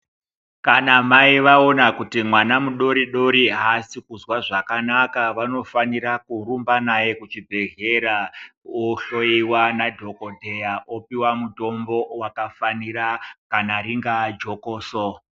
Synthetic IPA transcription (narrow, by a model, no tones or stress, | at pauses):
kanamaiʋao̞nakutimwanamuɗo̞ɾiɗo̞ɾiɦasikuzwaʐakanakaʋano̞faniɾakurumbanaje̞kut͡ʃibʱe̞ɣeɾaoɬoiwanadʱo̞kodʱejaʔopiwamuto̞mbo̞wakafaniɾakanaɾiŋɡad͡ʒo̞koːso